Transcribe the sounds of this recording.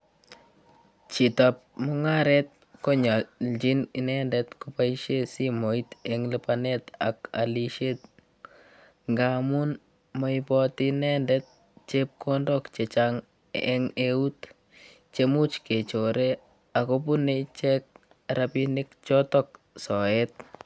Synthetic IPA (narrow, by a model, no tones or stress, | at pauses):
t͡ʃitap̚mʊŋaɾɛt̪̚ | kɔɲald͡ʒininɛndɛt̪kupaiʃesimoit̪ɛŋlipanɛt̪a̰ka̰liʃet̪ | ŋɡamun | mɔipɔtinɛndɛt̪̚ | t͡ʃep̚kʰɔndɔkt͡ʃet͡ʃaŋ | ɛ̰ŋeut | t͡ʃemut͡ʃket͡ʃoɾe | akopunet͡ʃɛk̚ | ɾapinɪkt͡ʃɔtɔk̚ | sɔɛt̪̚